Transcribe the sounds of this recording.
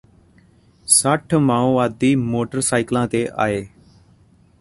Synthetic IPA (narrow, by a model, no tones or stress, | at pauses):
səʈʰmaːũːaːd̪iːmoːʈəɾsaːɪklãːt̪eːʔa̰ːeː